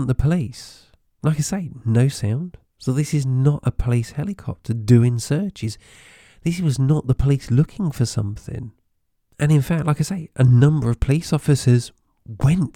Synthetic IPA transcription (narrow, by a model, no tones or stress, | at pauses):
nðəpʰəlis | lʔaɪkaɪseɪnoʊsãʊ̃nd̥ | soʊðɪsɨznəɾʔə̰pʰəlishɛlˠɨkʰɑ̰p̚tʰɨdɨɪ̃nsɜ˞t͡ʃɪz̥ | ðɪswʌznəʔ̪̚ðəpʰəlislʊkʰɪ̃ŋfə˞sʌ̰̃mθɪ̰̃ŋ | ʔɨ̃ñɨ̃nfæk̚t̚ˡlaɪkaɪseɪʔɨnʌ̃mbə˞ʌv̥pʰəlisɔfɨsə˞z | wɛ̃nt